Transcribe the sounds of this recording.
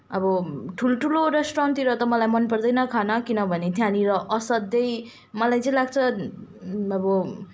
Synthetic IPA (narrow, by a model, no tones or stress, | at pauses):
ʌbʌʈʰuloʈʰuloɾesʈrant̪iɾʌt̪ʌmʌlajmʌnpʌrd̪ʌjnʌkʰanʌkinʌbʱʌnet̪ʰjaniɾʌʔʌsʌd̪ːʌj | mʌlajt͡sʌĩlaɡ̚t͡sʰʌ | ʌbʌ